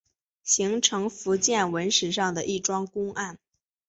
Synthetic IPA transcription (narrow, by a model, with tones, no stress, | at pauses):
ɕi˧˥ŋʈ͡ʂʰɤ˧˥ŋfu˧˥t͡ɕjɛ˥˩nwə˧˥nʂɻ̩˨˩ʂ̬ɑ˥˩ŋd̪ə˩ʔi˥˩ʈ͡ʂwɑ˥ŋkʊ˥ŋʔa˥˩n